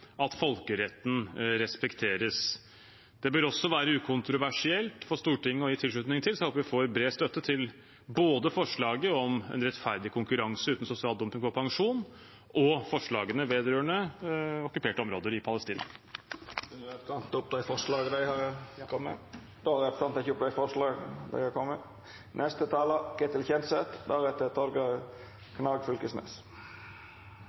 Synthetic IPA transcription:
ɑt̪fɔlkəɾɛt̪ːn̩ɾɛspɛkt̪ʰeːɾəs | d̪̥ɛbøːɾɔsːɔʋæːɾəʉːkʰʊnt̪ɾʊʋæʂɪɛlt̪fɔʂt̪uːʈʰɪŋːəɔjiːt̪ʰɪlʂɭʉːt̪nɪŋt̪ʰɪlsɔɛhoːpʋɪfoːɾbɾeːst̪œt̪ːət̪ʰɪl | boːd̪əfɔʂɭɑːɡəɔmɛ̰nɾɛt̪fæɾd̪ɪkʰʊŋkʉɾɑŋsəʉːt̪n̩sʊsɪɑːld̪ɔmpɪŋfɔpʰɑŋʂuːn | ʔɔfɔʂɭɑːɡənəʋeːd̪ɾøːəɳəɔkʉpʰeːʈəɔmɾoːd̪əɾɪpʰɑləst̪iːnɑ̰ | ʉnəɾɛtst̪ɑnt̪ʊpd̪æɪfɔʂlɑːɡd̪æɪhɑɾkʰɔmːə̰ | d̪ohɑɾæpst̪ɑnt̪ɛçʊpd̪æɪfɔʂlɑːɡd̪æ̰ɪhɑkʰɔmːə | nʔɛst̪ət̪ʰɑːləɡ̥ɛt̪ɪlçɛnsət̪d̪æɾɛt̪ːət̪ʰɔɾɡɑ | kʰnɑɡfʉlkəsnḛːs

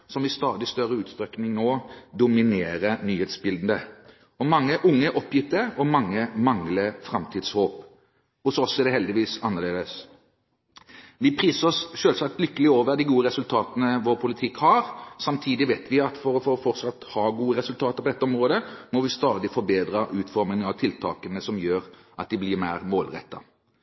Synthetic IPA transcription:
sɔmɪst̪ɑːd̪ɪst̪œɾəʉːt̪st̪ɾɛknɪŋnoːd̪ʊmɪneːɾənyːheːt̪sbɪld̪n̩d̪ə | ɔmɑŋːəʔʊŋːəʔɔpːjɪt̪ːəɔmɑŋːəmɑŋləfɾɑmt̪ʰiːd̪shoːp | ɔsɔɔsːɔɛd̪ɛhɛld̪ɪʋiːsɑnːəʁleːd̪əs | ʋɪpʰɾiːsəʁɔsʃøːlsɑk̚t̪lʏkːəlɪoːʋəɾd̪ɪɡuːəɾɛsʉlt̪ʰɑːt̪ənəʋɔːɾpʰʊlɪt̪ʰɪkhɑɾsɑmt̪ʰiːd̪ɪʋeːt̪ʰʋɪɑt̪fɔɾɔfɔɔfɔʁt̪sɑt̪ːhɑːɡuːəɾɛsʉlt̪ʰɑːt̪əɾpɔɛt̪ːəɔmʁoːd̪əmɔʋɪst̪ɑːd̪ɪfɔɾbeːd̪ɾəʔʉːt̪fɔɾmɪŋɑʋt̪ʰɪlt̪ʰɑ̰ːkənəsɔmjøːɾ | ʔɑt̪̚d̪ɪblɪɾmæɪɾmoːlʁɛ̰t̪ːɑ

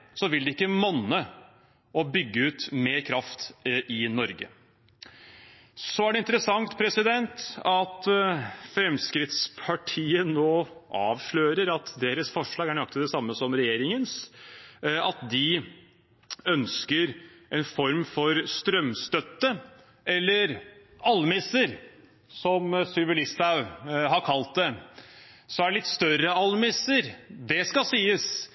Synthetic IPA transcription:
sɔʋɪld̪ɛɪkːəmɔnːə | ɔbʏɡːəʉːt̪meːɾkʰɾɑft̪ʔɪnɔɾɡə̰ | sɔæɖɛɪnt̪əɾəsɑŋt̪pʰɾɛsɪd̪ɛnt̪ɑt̪ | fɾɛmskɾɪt̪spʰɑʈʰiːənoːʔɑːʋʂɭøːɾəɾɑt̪d̪eːɾəsfɔʂɭɑːɡæɳɑk̚t̪ɪd̪ɛsɑmːəsɔmɾɛjeːɾɪŋəns | ɑt̪d̪ɪ | œnskəɾʔɛnfɔɾmfɔɾst̪ɾœmst̪œt̪ːə | ɛlːəɾ | ʔɑlmɪsəɾ | sɔmsʏlʋɪlɪst̪aʉɦɑɾkʰɑlt̪̚d̪ɛ | sɔæɖɭɪt̪ːst̪œɾəɑlmɪsəɾd̪ɛskɑsiːəs

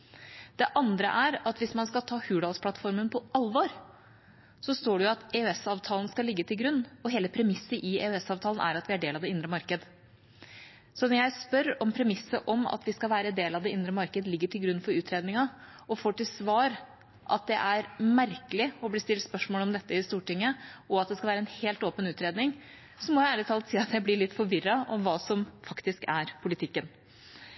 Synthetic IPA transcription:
d̪̥ɛʔɑnd̪ɾə̰ʔæɾɑt̪ʋɪsmɑnskɑlt̪ʰɑːhʉːɖɑlspʰlɑt̪fɔɾmənpʰɔʔɑlʋɑːɾ | sɔst̪oːɖɛjʊɑt̪eːøɛsɑːʋt̪ʰɑːlən̩skɑlɪɡːət̪ʰɪlɡɾʉnːɔɦeːləpʰɾɛmɪsːəɾʔɪḛːœɛsɑːʋt̪ʰɑːlən̩ʔæ̰ɾɑt̪ʋɪæɖeːlɑʋd̪ɛɪnd̪ɾəmɑɾkəd̪ə | sɔnɔɾjæɪspœɾɔmpʰɾɛmɪsːəʔɔmɑ̰t̪ʋɪskɑʋæːɾəd̪eːlɑʋd̪ɛɪnd̪ɾəmɑɾkəd̪əlɪɡːəʈʰɪlɡɾʉnːfɔɾʉːt̪ʰɾeːd̪nɪŋɑ | ɔfoːʈɪlsʋɑːɾ | ʔɑ̰t̪̚d̪ɛʔæɾmæɾkəlɪɔbliːst̪ɪlt̪spœʂmoːləɔmd̪ɛt̪ːəɪst̪uːʈɪŋːəɔɑt̪̚d̪ɛskɑʋæːɾəɛnheːlt̪oːpənʉːt̪ɾeːd̪nɪŋ | sɔmɔjæɪæːlɪt̪ʰɑːlt̪siːɑt̪jæɪblɪɭɪt̪ːfɔɾʋɪɾːɑʔɔmʋɑːsɔmfɑkt̪ɪskæɾpʰʊlɪt̪ʰɪkːən

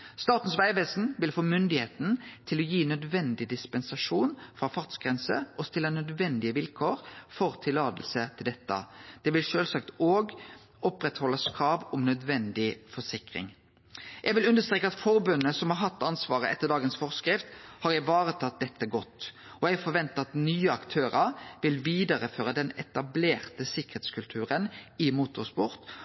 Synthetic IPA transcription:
st̪ɑːt̪n̩sʋæɪʋeːsn̩ʋɪlfoːmʏnd̪ɪheːt̪n̩t̪ʰɪlɔjiːnœd̪ʋɛnd̪ɪd̪ɪspɛnsɑʂuːnfʁɑfɑʁt̪sɡʁɛnsə̰ʔɔst̪ɪlːənœd̪ʋɛnd̪ɪəʋɪlkʰoːɾfɔʁt̪ʰɪlɑːt̪əlsət̪ʰɪld̪ɛt̪ːə̰d̪̥ɛʋɪlʃøːlsɑkt̪oːɡ | ɔpɾɛt̪hɔlːɑskʰɾɑːʋʊmnœd̪ʋɛnd̪ɪfɔʂɪkʁɪ̰ŋ | jʔɛɡʋɪlʉnd̪əst̪ɾeːkːəɑt̪fɔɾbʉnːəsɔmhɑɾɦɑt̪ːɑnsʋɑːʁəɛt̪ːəd̪ɑːɡənsfɔʁskɾɪft̪hɑɾæɪʋɑːɾət̪ʰɑt̪̚d̪ɛt̪ːəɡɔt̪ː | ɔjɛɡfɔɾʋɛnt̪əɑt̪nyːəɑkt̪ʰøːɾəɾʋɪlʋiːd̪ɑɾəføːɾəd̪ɛnɛt̪ɑbleːʁt̪əsɪkəɾheːt̪skʉlt̪ʰʉːʁənɪmut̪ʊʁspʊʁt̪

